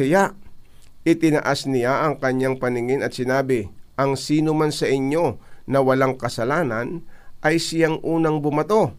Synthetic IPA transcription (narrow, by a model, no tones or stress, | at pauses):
ɐjaʔ | ʔɪt̪ɪnɐʔasnɪjaʔɐŋkɐɲːaŋpɐnɪŋɪnɐt̪sɪnaːbɪʔɐŋsiːnomansɐʔɪɲːo̞nɐwɐlaŋkɐsɐlaːnɐnʔɐjsɪjaŋʔuːnɐŋbʊmɐt̪o̞